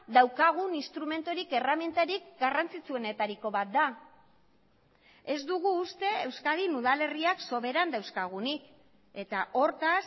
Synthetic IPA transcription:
ðawkaɣ̞uninst̪ɾume̞nt̪oɾike̞ramje̞nt̪aɾikɡarant͡sit͡sue̞ne̞t̪aɾiko̞βat̪̚d̪a | e̞zd̪uɣuːst̪e̞ewskaðinuðale̞riakso̞βe̞ɾand̪awskaɣ̞unik | e̞t̪aʔo̞ɾt̪as

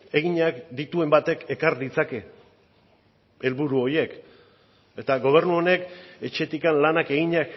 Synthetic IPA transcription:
e̞ɣiɲakd̪it̪ue̞mbat̪e̞ke̞kaɾd̪it͡sake̞ | e̞lβuɾuo̞ɾje̞k | e̞t̪aɣo̞β̞e̞ɾrnuo̞ne̞ke̞t͡ʃe̞t̪ikanlanake̞ɣiɲak

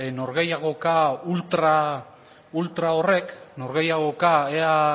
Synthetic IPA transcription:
no̞ɾɣe̞jaɣ̞o̞kault̪ɾa | ult̪ɾao̞re̞kno̞ɾɣe̞jaɣo̞kaea

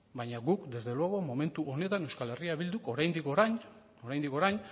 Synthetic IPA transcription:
bajɲaɣukd̪e̞zðe̞lwoɣo̞mo̞me̞nt̪uʔo̞ne̞t̪ane̞wskale̞riaβild̪uko̞ɾajnd̪ikoɾaɲ | o̞ɾajnd̪iko̞ɾajɲ

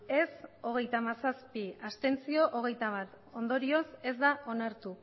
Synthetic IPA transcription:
e̞so̞ɣ̞e̞jt̪amasaspiast̪e̞nt͡sio̞ʔoɣ̞e̞jt̪aβat̪ | o̞nd̪o̞ɾio̞se̞zd̪aʔo̞naɾt̪u

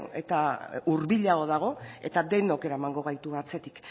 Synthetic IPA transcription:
ḛt̪auɾβiʎaɣo̞ðaɣ̞o̞e̞̰t̪ad̪e̞noke̞ɾaemaŋɡo̞ɣ̞ajt̪uɣat͡se̞t̪i̥k

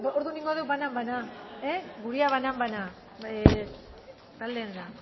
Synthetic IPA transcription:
oɾðuniŋɡoðewβanambanaeɡuɾiaβanambana | e | t̪ald̪eːnd̪a

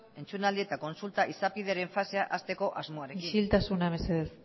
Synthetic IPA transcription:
e̞nt͡sunald̪ie̞t̪ako̞nsult̪aʔisapið̞e̞aɾe̞ɱfase̞aʔast̪e̞ko̞ʔazmo̞aɾe̞inʃilt̪asunaβeseðes

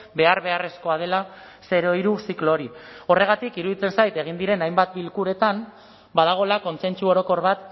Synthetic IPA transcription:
be̞aɾβe̞are̞sko̞að̞e̞la | se̞ɾo̞iɾusikloɾio̞re̞ɣ̞at̪ikiɾuðit͡se̞nsajt̪e̞ɣ̞ind̪iɾe̞najmbat̪̚bilkuɾe̞t̪an | bað̞aɣ̞o̞lako̞nse̞nt͡suo̞ɾo̞ko̞ɾβat̪

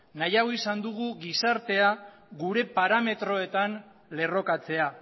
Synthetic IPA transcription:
najaoisand̪uɣuɣisaɾt̪e̞a | ɣuɾe̞paɾame̞t̪ɾo̞e̞t̪an | le̞ro̞kat͡se̞a

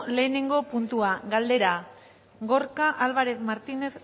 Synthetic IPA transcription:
le̞ːne̞ŋɡo̞punt̪uaɣald̪e̞ɾa | ɡoɾkaʔalβaɾeθmaɾt̪ine̞s

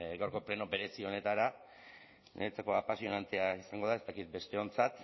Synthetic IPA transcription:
ɡawɾko̞pɾe̞nobe̞ɾe̞sio̞ne̞t̪aɾa | neet͡sako̞apasio̞nant̪e̞aisaŋɡo̞ð̞ae̞st̪akit̪̚be̞st̪e̞o̞nt͡sat̪

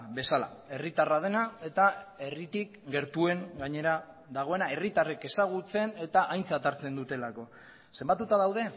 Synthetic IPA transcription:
be̞sala̰e̞rit̪arað̞e̞nae̞t̪ae̞rit̪ikɡe̞ɾt̪ue̞ŋɡaɲe̞ɾa | ðaɣ̞o̞e̞nae̞rit̪are̞ke̞saɣ̞ut͡se̞ne̞t̪aʔajnt͡sat̪aɾt͡se̞nd̪ut̪e̞lako̞ | se̞mbat̪ut̪aðawð̞e̞

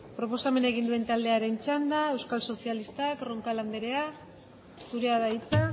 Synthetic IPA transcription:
pɾo̞po̞same̞neɣ̞ind̪ue̞nt̪ald̪e̞aɾe̞nt͡ʃand̪aewskalso̞sialist̪akro̞ŋkaland̪e̞ɾe̞a | suɾe̞aðait͡sa

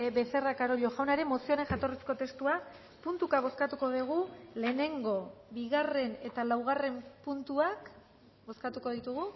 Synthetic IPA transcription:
bese̞rakaɾoʎo̞ʝawnaɾe̞mo̞sioɾe̞ŋʝat̪o̞resko̞t̪e̞st̪ua | punt̪ukaβ̞o̞skat̪uko̞ðuɣ̞ule̞ːne̞ŋɡo̞βiɣare̞ne̞t̪alawɣ̞are̞mpunt̪uak | bo̞skat̪uko̞ð̞it̪uɣ̞u

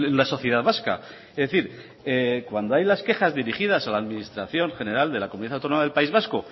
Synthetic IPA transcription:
nlaso̞θjeð̞aðβaska̰ | ezðeθiɾ | ekwand̪oajlaske̞xazðiɾixið̞asalaːðminist̪ɾaθjo̞ŋχe̞ne̞ɾald̪e̞lakomuniðaθawt̪onomaðe̞lpaizβasko

